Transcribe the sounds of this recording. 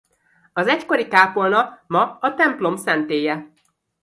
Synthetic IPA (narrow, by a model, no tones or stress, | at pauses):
ɒzɛcko̞ɾikaːpo̞lnɒkmɒːt̪ɛmplo̞msɛnt̪eːjɛ